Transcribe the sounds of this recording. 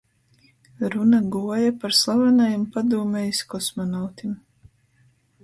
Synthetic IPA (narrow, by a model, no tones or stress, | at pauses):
ɾunaɡuɔjapaɾslˠavanajimpad̪uːmɛjskɔsmɔnawt̪im